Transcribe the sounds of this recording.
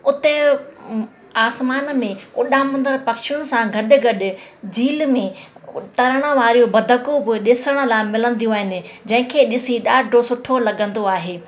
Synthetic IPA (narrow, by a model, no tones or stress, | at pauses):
ʊt̪e | aːsmaːnmẽʊɗãːmɐ̃nd̪əɾpɐkʃijʊnɪ̆sãɡʱɐɗɪ̆ɡɐɗɪ̆d͡ʑiːlmẽt̪ɐɾəɽ̃ə̆ʋaːɾijobɐd̪ʱəkobɪɗɪsəɽ̃ə̆lamɪlə̃n̆d̪ijũaːɦɪnɪ̆d͡ʑɐ̃ɦɪ̃kʰeːɗɪsiɗaːɖʱosʊʈʰolɐɠə̃nd̪oaːɦeː